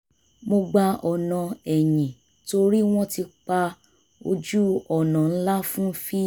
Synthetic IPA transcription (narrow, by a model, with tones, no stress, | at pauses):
mo˧ɡ͡ba˧ɔ˨nã˨ɛ˨jĩ˨ | to˧ɾi˦w̃ɔ̃˦ti˧k͡pa˧ | o˧d͡ʒu˦ɔ˨nã˨n̩˦la˦fũ˦fi˦